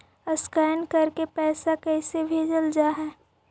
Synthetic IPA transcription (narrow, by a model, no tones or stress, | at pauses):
əskɛːnkɐɾkepɛːsakɛːsebʱeːd͡ʒəld͡ʒaɦɛː